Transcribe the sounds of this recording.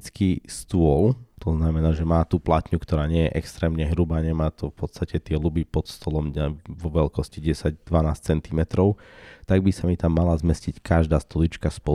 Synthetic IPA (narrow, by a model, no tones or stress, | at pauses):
t͡skiːst̪uɔlt̪ɔznamɛnaːʒɛmaːt̪uplat̪ɲukt̪ɔɾaːɲɪɛjɛʔɛkst̪ɾɛːmɲɛɦɾubaːɲɛmaːt̪ɔfpɔt̪st̪acɛt̪ɪɛlubipɔt̪st̪ɔlɔmɛʋɔʋɛlkɔsciɟɛsaɟd̪ʋanaːst͡sɛnt̪imɛt̪ɾɔʊt̪aɡbisamit̪amːalazmɛscickʰaʒd̪aːst̪ɔlit͡ʃkaspɔ